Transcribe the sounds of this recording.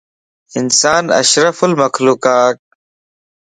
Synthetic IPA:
ɪnsaːnɐ̰ʃɾəfəlməxluːkaːt̪̚

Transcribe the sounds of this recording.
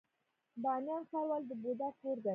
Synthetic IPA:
b̪ɑnjɑnxaɾwɑld̪əbod̪akoɾd̪ə

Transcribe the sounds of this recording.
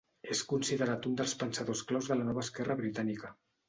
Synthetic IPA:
eskunsiðəɾat̪und̪əlˠspənsaðosklawzðəlanɔβəːskɛrəβɾit̪anikə

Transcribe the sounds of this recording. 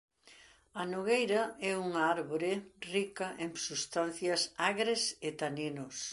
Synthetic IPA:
ɐnoɣejɾɐɛuŋɐaɾβoɾɪrikɐʔeŋsust̪an̟θjɐsaɣɾesɪt̪aninos

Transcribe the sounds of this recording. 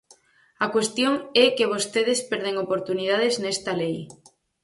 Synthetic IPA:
ɐkwest̪joŋɛkeβ̞ost̪eð̞espɛɾð̞eŋopoɾt̪unið̞að̞eznɛst̪ɐlej

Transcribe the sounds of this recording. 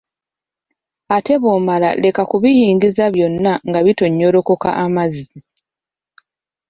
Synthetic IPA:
ate̞βomala̰le̞kakuβijiːŋɡizaβjo̞nːaŋɡaβito̞ɲːo̞ɾo̞ko̞ka̰ʔamazːi

